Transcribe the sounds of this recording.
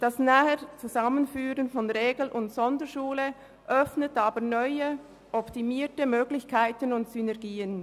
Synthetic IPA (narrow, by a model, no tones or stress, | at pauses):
d̥asnaːhət͡suzamənfyːʁənfɔnʁeːɡl̩ʔʊntsɔndəʃuːlə | ʔœfnətaːbənɔʏə | ʔɔptimiːtəmøːɡlɪçkʰaɪtənʊntsynɛɐʁɡiːən